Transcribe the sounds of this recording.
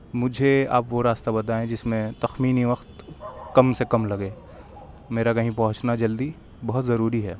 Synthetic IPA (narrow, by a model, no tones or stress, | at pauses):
mʊd͡ʒʱea̰ːpʋoɾaːst̪abɐt̪̬aːẽd͡ʒɪsmẽt̪ɐxmiːniʋɐxt̪kɐmsekɐmlɐɡẽː | meːɾakɐɦĩpɐɦʊ̃t͡ʃnad͡ʒɐld̪i | bɐɦʊt̪zɐɾuːɾiɦɛː